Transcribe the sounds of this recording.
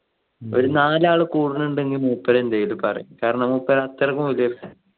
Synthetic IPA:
oɾunaːlaːɭɨkuːɽinuɳɖeŋːimuːpːɐɾɐend̪ɐjilupɐrɐ̰jukaːɾɐɳɐmuːpːɐɾɐɐt̪ːɐrɐkːumʋilɐjrkːa

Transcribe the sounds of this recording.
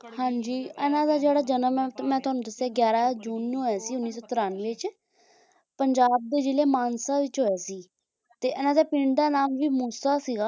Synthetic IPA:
hãːɲd͡ʒiːɛːnãːd̪aːd͡ʒeːɽaːd͡ʒənəmmɛ̃ːt̪ʊɦaːnũːd̪əsːaːɡjaːɾaːd͡ʒuːnːoːɛːsiːʊnːiːsɔːt̪ɪɾaːnʋɪːt͡ʃ | pəɲd͡ʒaːb̚d̪eːd͡ʒɪleːmaːnsaːʋɪt͡ʃɦoːjaːsiː | t̪eːɛːnãːd̪aːpɪ̃ɳɖd̪aːnaːmʋiːmuːsaːsiːɡaː

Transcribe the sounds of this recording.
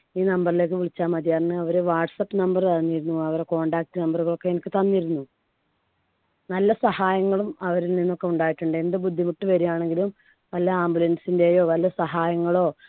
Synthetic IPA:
iːnɐmbɐrile̞ːk̬ːɨʋiɭit͡ɕːaːmɐd̪ijaːrnːɨɐʋɐɾeʋaːʈsɐpːɨnɐmbɐrt̪ɐnːiɾunːuɐʋɐɾeko̞ːɳɖaːk̚ʈːɨnɐmbɐruɣɐɭo̞kːe̞enikʲːɨt̪ɐnːiɾunːu | nɐlːɐsɐhaːjɐŋːɐɭumɐʋɐɾilninːo̞kːe̞uɳɖaːjiʈːuɳɖɨend̪ɨbud̪ʱːimuʈːɨʋɐɾijaːɳe̞ŋɡilum | ʋɐlːɐaːmbulɐndsinde̞ːjo̞ːʋɐlːjɐsɐɦaːjɐŋːɐɭo̞ː

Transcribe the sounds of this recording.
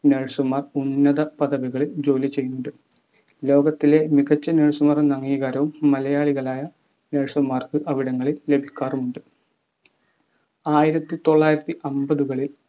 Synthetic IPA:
neɻsɐmːaːrunːɐðɐpɐðɐʋiɣɐɭild͡ʑo̞ːlit͡ɕe̞jːunːuɳɖɨ | lo̞ːɡɐt̪ːile̞miɣɐt͡ɕːɐneːɻsumɐrɨnɐŋːiːɣaːɾɐʋumːɐlɐjaːɭiɣɐɭaːjɐ | neɻsɐmːaːrkɨʔɐʋiɽɐŋːɐɭilːe̞bʱikʲːaːrumuɳɖɨ | aːjiɾɐt̪ːɨt̪o̞ɭːaːjiɾɐt̪ːiʔɐmbɐðuɣɐɭil

